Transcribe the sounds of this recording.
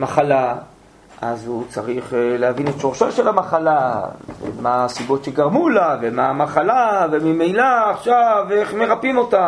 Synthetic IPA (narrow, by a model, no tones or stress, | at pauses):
maχala | ʔa̰zhut͡saʁiχlehavinetʃo̞ʁʃaʃelamaχalavḛmasibotʃeɡaʁmulavemamaχalavemimejlaːχʃave̞χme̞ʁapimo̞ta